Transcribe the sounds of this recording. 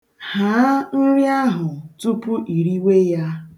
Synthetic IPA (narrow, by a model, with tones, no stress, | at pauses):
ha˨˦n̩˦ɾja˦ɦʊ˨tu˦pʊ˦ʔi˨ɾi˦we˦ja˦